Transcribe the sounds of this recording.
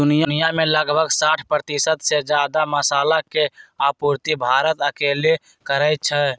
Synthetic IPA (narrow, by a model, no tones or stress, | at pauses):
d̪unijnijameləɡbʱəɡsaʈʰpɾət̪isət̪sed͡ʒad̪aməsaːlakeapuɾt̪ibʱaɾət̪əkele | kəɾəjt̪̚t͡ʃʰɛ